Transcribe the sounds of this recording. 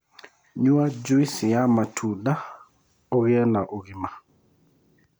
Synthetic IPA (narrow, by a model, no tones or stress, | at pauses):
ɲuad͡ʒuisɪjamatʰuda | ɔɣɛnaʔoɣɪma